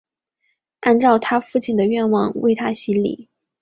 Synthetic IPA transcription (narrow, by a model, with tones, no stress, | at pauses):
a˥˧nʈ͡ʂɑ˥˩ʊt̪ʰa˥fu˥˩t͡ɕʰi˨˩nd̪ə˩ɥɛ˥˧nwɑ˥˧ŋwe˥˩ɪt̪ʰa˥ɕi˥nlḭ˨˩˦